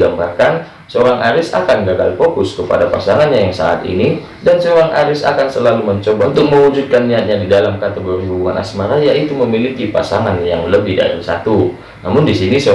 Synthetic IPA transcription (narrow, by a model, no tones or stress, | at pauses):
ɡambarkan | səoɾaŋʔaɾɪsa̰kanɡaɡa̰lfokʊskəpa̰dapasaŋanɲajaŋsa̰a̰t̪ḭni | dansəoɾaŋʔa̰ɾɪsa̰kansəlaluməɲt͡ʃobaunt̪ʊk̚məwud͡ʒud̪̚kanːiat̪̚ɲadidalamkat̪eɡoɾiɦubuŋana̰smaɾajaʔit̪uməmilikipa̰saŋanjaŋləbɪhda̰ɾḭsat̪u | namʊndisinisə